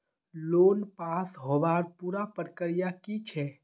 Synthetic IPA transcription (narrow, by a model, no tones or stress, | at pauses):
loːnpasɦoʋaɾpuːɾapəɾkəɾijakit͡ʃʰɛ